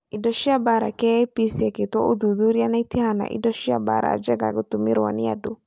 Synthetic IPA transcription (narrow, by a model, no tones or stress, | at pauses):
idɔʃiabaɾakɛpisɛket̪ɔʔud̪ud̪uɾjanait̪ihana̰ʔḭdɔʃiaba̰ɾa̰d͡ʒɛɡa̰ɡut̪umiɾwa̰nɪja̰du